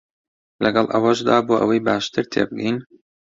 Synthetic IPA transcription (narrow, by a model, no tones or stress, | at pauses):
lʔɐɡɑlˠʔɐ̰wɐʒd̪a̰ːboːʔəwɐjbaːʃt̪ʰɨɾt̪ʰḛːbɨɡin